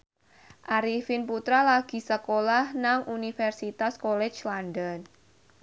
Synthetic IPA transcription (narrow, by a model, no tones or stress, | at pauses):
ʔaɾifinput̪ɾalaɡ̥i̤səkolahnaŋʔunifɛrsit̪askolɛ̥t͡ʃlanɖən